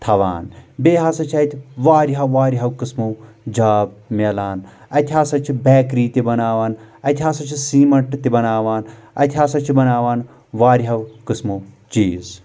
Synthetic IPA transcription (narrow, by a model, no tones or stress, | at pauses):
t̪ʰɐʋa̰ːnbeːɦaːsɐt͡ʃʰɐt̪ʲʰiʋaːɾiɦɐwʋaːɾiɦɐwkɨsmu | d͡ʒaːb̚melaːn | ɐt̪ʲʰaːsɐt͡ʃʰibeːkɾiːt̪ʲibɐnaːʋaːnɐt̪ʲʰɦaːsɐt͡ʃʰisiːmɐɳʈt̪ibɐnaːʋaːnɐ̰t̪ʲʰaːsɐt͡ʃʰibɐnaːʋaːn | ʋaːɾiɦɐwkɨsmut͡ʃiːz